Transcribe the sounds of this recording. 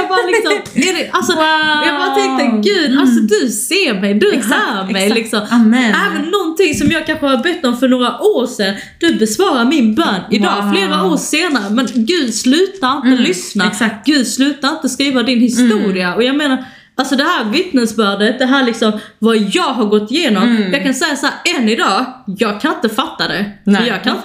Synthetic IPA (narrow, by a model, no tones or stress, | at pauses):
jɑbɑːlɪksɔmɛdɛʔalsɔjɑːɡbɑːɾaɛŋkt̪əɡʉ̟ːd̪alsɔd̪ɵseːɾmɛjd̪ɵɦæːɾmɛjlɪksɔmæːvənːɔnt̪ɪŋsɔmjɑːɡ̚kʰanxəbʏt̪ːɔmfœɳoːɾaʔoːɾʂɛn | d̪̥ɵbɛsvɑːɾaɾmɪnbœːnɪd̪ɑːfleːɾaoːʂeːnaɾəmɛnɡʉ̟ːd̪slʉ̟ːt̪aɾɪnt̪əlʏsnaɡ̥ʉ̟ːd̪slʉ̟ːt̪aɾɪnt̪əskɾiːvad̪ɪnhɪst̪uːɾɪaɔjɑɡmeːnaɾ | alsɔd̪ɛɦæːɾvɪt̪nəsbœːɖət̪̚d̪ɛɦæːɾɭɪksɔmvajɑːɡɦaɾɡɔt̪ːɪjeːnɔmjɑːɡkansɛjːasahæːɾɛnːɪd̪ɑːjɑːɡ̚kʰanɪnt̪əfat̪ːad̪ɛəjɑːɡ̚kʰanɪnt̪